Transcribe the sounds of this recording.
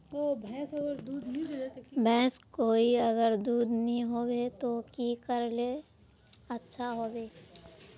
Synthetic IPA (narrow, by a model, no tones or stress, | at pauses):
obʱɛ̃ːsɐɡəɾd̪uːd̪nĩebʱɛ̃ːskoːiəɡəɾd̪uːd̪nəɦĩɦobet̪okikəɾle | ətːʃʰaɦoːbeː